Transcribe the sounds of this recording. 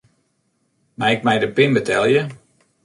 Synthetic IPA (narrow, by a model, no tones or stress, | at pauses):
maɪkmɛjdəpɪnbətʰɛlˠjə